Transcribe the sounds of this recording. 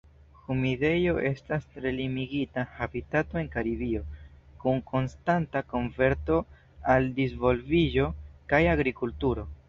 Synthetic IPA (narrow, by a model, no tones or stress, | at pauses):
xumide̞jo̞ʔe̞stastɾe̞limiɡitahabitato̞e̞ŋkaɾibio̞kuŋkʰo̞nstantako̞nve̞ɾto̞ | aldizvo̞lvid͡ʒo̞kajaɡɾikultuɾo̞